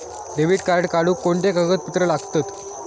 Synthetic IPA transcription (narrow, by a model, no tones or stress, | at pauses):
ɖeʋiːʈkaɾɽkaɽuːkːoɳʈ̪ekəɡət̪̚pət̪ɾəlaɡt̪ət̪